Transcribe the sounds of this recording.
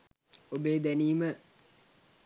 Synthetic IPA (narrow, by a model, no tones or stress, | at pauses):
obeːd̪æniːmə